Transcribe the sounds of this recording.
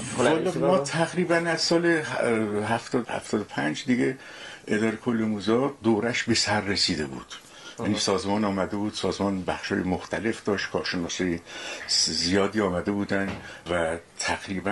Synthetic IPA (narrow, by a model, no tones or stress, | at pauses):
ɒːlɒmɒːt̪ʰæɣɾiːbænæzsɒːleɦæft̪ɒːd̪hæ̰ft̪ʰɒːd̪opʰænd͡ʒd̪iɡe | ed̪ɒːɾekʰolːemuːzɒːd̪oːɾæʃbe̞sæɾːesiːd̪e̞bṵːd̪̥ | jænisɒːzmɒːnɒːmæd̪e̞buːd̪sɒːzmɒːnbæxʃhɒːjemoxt̪ʰæle̞fd̪̥ɒːʃt̪kʰɒːɾʃenɒːsɒːje | zijɒːd̪iːɒːmæd̪e̞buːd̪ænvæt̪ʰæɡɾiːbæ